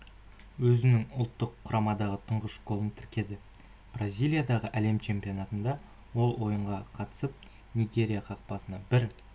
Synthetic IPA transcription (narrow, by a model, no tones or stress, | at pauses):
wɵzɪnɪŋʊlˠt̪ːəqʰːʊɾʔɑmɑd̪ɑʁət̪ʰəɴʁəʃɡo̞lˠənt̪ʰɪɾkʲe̞d̪ɪ | b̥razʲijlʲˠijad̪ɑʁəʔæle̞mt͡ʃʰe̞mpijo̞nɑt̪ənd̪ɑ | wo̞lˠwo̞jəɴʁɑqʰɑt̪ə̥səp̚ | nʲijɡʲe̞ɾʲijaqʰɑq̚pɑsənɑbɪɾ